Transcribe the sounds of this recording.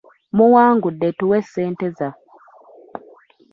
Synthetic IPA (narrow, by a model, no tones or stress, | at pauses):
muwaːŋɡudːetuwesːeːnteza